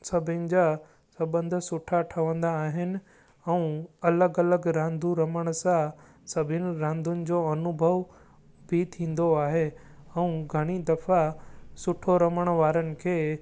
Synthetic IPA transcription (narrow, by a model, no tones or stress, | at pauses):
sɐbʱɪnɪ̆d͡ʑa | sɐbə̃nd̪ʱsʊʈʰaʈʰəʋə̃nd̪aːɦɪnɪ̆ | ɛũɐləɡɐləɡɾãːnd̪ʱuɾɐməɽ̃sã | sɐbʱɪnɪ̆ɾãːnd̪ʱʊnɪ̆d͡ʑoːɐnʊbʱəʋ | bʱit̪ʰĩːn̆d̪oaːɦe | ɛũɡʱɐɽ̃id̪ɐfasʊʈʰoɾɐməɽ̃ʋaːɾənɪ̆kʰeː